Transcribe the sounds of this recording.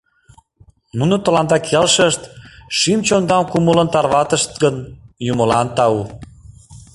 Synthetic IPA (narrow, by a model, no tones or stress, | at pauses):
nunət̪ə̆lɑnd̪ɑkʰelʃəʃt̪ʃimt͡ɕond̪ɑmkumələ̆nt̪ɑrβɑt̪əʃt̪̚ɡənjumə̆lɑnt̪ɑu